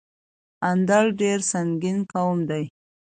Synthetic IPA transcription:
and̪alɖeɾsaŋɡinkawəmd̪aj

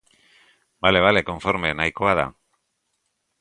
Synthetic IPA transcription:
bale̞β̞ale̞ko̞ɱfo̞ɾme̞najkoaða̰

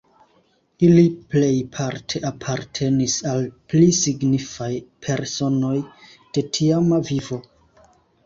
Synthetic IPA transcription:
iliple̞jpʰaɾtʰe̞ʔapʰaɾtʰe̞nisalplisiɡnifajpʰe̞ɾso̞no̞j | d̥e̞tʰiamavivo̞

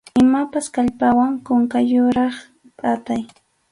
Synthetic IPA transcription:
ɪmapaskaʎpawaŋkoŋkajʊɾɑχ | pʼat̪aj

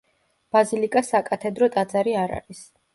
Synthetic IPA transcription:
b̥azilikʼasakʼat̪ʰɛd̪ɾɔt̪ʼad̪zaɾiaɾa̰ɾis

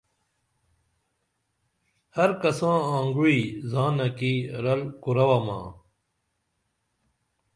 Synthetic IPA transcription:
hɐɾkɐsãːãːŋɡuizãːnɐkiɾɐlkuɾɐwamã̰ː

